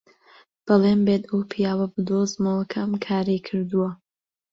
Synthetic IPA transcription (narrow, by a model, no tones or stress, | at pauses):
b̥ɨlˠeːmbet̪ɐwpʰijaːwɐbɨd̪ozmolˠɐkʰɐmkʰaːɾejkʰɨɾd̪uwɐ